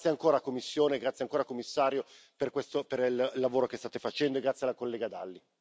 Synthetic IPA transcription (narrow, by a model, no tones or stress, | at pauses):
sjeaŋkoːɾakomːisːjoːneɡɾat̪sjeaŋkoːɾakomːisːaːɾjo | perkwest̪operillːavoːɾokest̪aːt̪efat͡ʃɛnd̪oeɡɾat̪sjealakolːeːɡad̪alːi